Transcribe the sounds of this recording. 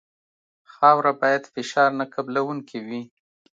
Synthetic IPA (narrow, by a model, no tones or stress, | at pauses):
xɑwɾabɑjad̪fɪʃɑɾnakablawuŋkiwi